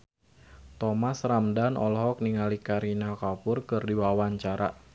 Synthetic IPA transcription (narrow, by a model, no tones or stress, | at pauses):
t̪ɔmasramdanʔɔ̰lɦɔk̚niŋalikaɾinakapʊrkɨrdiwawaɲt͡ʃaɾa̰